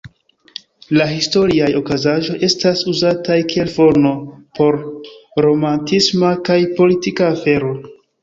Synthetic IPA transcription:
laɦisto̞ɾiajo̞kazaʒo̞jʔe̞stasuzatajkie̞lfo̞no̞po̞ɾɾo̞mantismakajpo̞litikaːfe̞ɾo̞

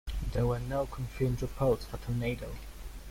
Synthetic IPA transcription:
ðəwə˞noʊkʰə̃ɱfjʉndɹɪpʰɔɹtsfətʰɔɹneɪɾoʊ

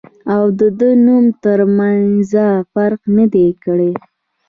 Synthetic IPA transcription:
awd̪əd̪ənumt̪əɾmanzafaɾqnəd̪ekəɽe

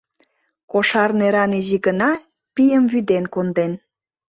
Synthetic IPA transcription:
koʃɑrneɾɑniziɡənɑ | pijəmvyd̪enkond̪en

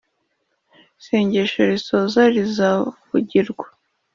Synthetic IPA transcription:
se̞ːɲɟeʃoɾisoːzaɾizavuɟiɾɡwḁ

